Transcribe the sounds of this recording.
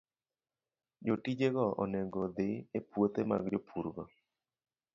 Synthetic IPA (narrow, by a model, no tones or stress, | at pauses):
d͡ʒotid͡ʒeɡɔɔ̰nɛɡod̪ɪepwot̪ema̰ɡd͡ʒopʰuɾɡɔ